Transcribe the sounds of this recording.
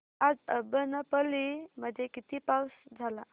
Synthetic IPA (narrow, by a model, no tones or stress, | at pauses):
ad͡zəbənəpəliməd̪ʱjekit̪iːpawsd͡zʱala